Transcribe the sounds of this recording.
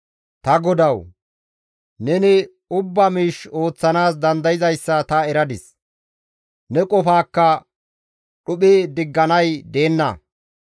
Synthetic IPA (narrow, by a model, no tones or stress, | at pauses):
t̪ɐɡɔd̪ɐw | nɛnɪ | ʊbːɐmiːʃo̞ːt͡sːɐnaːs̬d̪ɐnd̪ɐjɪzɐjsːɐt̪ɐɛɾɐd̪ɪs | nɛkʼɔfaːkːɐ | ɗʊɓeːd̪ɪɡːɐnɐjd̪e̞ːnːɐ̰